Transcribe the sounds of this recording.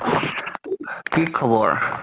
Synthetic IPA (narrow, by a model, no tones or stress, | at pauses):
kikʰɔbɔɹ